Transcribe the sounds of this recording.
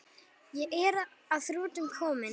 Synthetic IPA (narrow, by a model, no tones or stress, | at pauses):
jɛʔɛɾaðθɾuːt̪ʏmkʰɔːmɪ